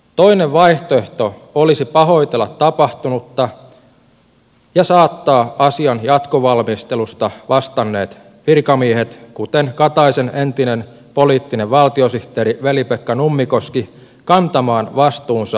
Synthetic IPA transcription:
t̪o̞ineʋʋɑiht̪oe̞ht̪o̞olisipɑɦo̞it̪elːɑt̪tːɑpɑht̪unut̪ːɑ | jɑsɑːt̪ːɑːɑsiɑnjɑt̪koʋɑlmist̪elust̪ɑʋɑst̪ɑnːe̞ːt̪ | ʋirkɑmiehet̪kut̪enkɑt̪ɑisenent̪inen | poliːt̪ːineʋʋɑlt̪iosiht̪eːɾiʋelipekːɑnumːiko̞ski | kɑnt̪ɑmɑːnʋɑst̪uːnsɑ

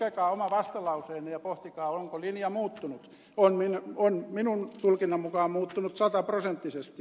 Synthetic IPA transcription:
ekɑːomɑʋɑst̪ɑlɑuseːnejɑpoht̪ikɑːoŋkolinjɑmuːt̪ːunut̪ | onminonminunt̪ulkinːɑmukɑːmmuːt̪ːunut̪sɑt̪ɑprosent̪ːisest̪

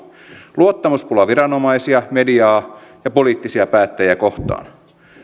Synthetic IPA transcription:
luot̪ːɑmuspulɑʋiɾɑno̞mɑisiɑmediɑːjɑpoliːt̪ːisiɑpæːt̪ːæjiækoht̪ɑ̰ːn

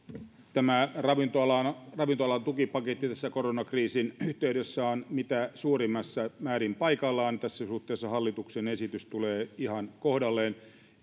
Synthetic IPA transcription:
t̪æmærɑʋint̪oɑlɑnrɑʋint̪oɑlɑnt̪ukipɑket̪ːit̪æsːækoronɑkriːsinyht̪eydøsːæonmit̪æsuːrimːɑsːæmæːrimpɑikɑlːɑːnt̪æsːæsuht̪ːˑeːsːɑhɑlːit̪uksenesit̪yst̪uleːihɑnkohdɑlːeːn

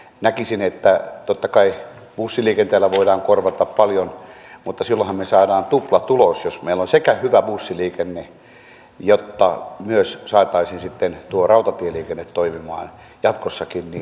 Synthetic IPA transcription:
nækisinet̪ːæt̪ot̪ːɑkɑi | b̥usːiliːkent̪eːlːæʋoidɑːŋkorʋɑt̪ɑppɑljonmut̪ːɑsilːõhɑmmesɑːdɑːnt̪uplɑt̪ulosjosmeilːonsekæhyʋæbusːiliːkenːe | jot̪ːɑ̰myøssɑːt̪ɑisinsit̪ːent̪uorɑut̪ɑt̪ieliːkenːet̪toimimɑ̰ːn | jɑt̪kosːɑkinni

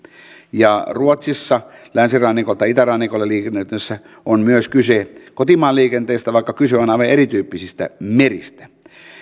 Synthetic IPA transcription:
jɑruot̪sisːɑlænsirɑːnːikolt̪ːɑit̪ærɑnːikolːeliːkenːet̪ːesːæ | onmyøskysekot̪imɑːlːiːkent̪eːst̪æʋɑˑikːɑkyseonɑˑiʋɑʔerit̪yːpːisist̪æ̰merist̪æ̥

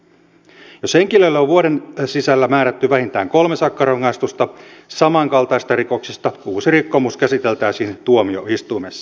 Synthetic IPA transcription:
jo̞sheŋkiløilːæoʋʋuoɾensisælːæmæːɾæt̪ːyʋæhint̪æːŋko̞lme̞sɑkːɑrɑŋːɑist̪ust̪ɑsɑmɑŋkɑlt̪ɑist̪ɑriko̞ksist̪ɑuːsirikːomuskæsit̪e̞lt̪æːsiːnt̪uomioist̪uimesːɑ̥

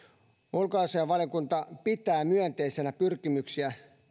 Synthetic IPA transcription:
olkɑːseɑʋʋɑljokunt̪ɑpit̪æːmyœnt̪eisenæpyrkimyksiæ

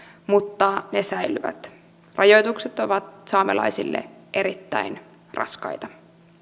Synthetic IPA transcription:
mut̪ːɑnesæjlyʋæ̰t̪ | rʔɑjo̞jt̪ukset̪o̞ʋɑt̪sɑːmelɑ̰jsilːḛʔe̞ɾit̪ːæ̰in | rɑ̰skɑ̰jt̪ɑ

